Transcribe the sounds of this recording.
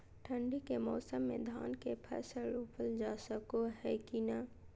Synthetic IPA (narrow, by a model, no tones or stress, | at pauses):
ʈʰə̃ɳɖikemɔːsəmːḛ̃d̪ʱa̰ːnkepʰɛ̰ːsəlupʰəld͡ʒaːsəkoɦɛkina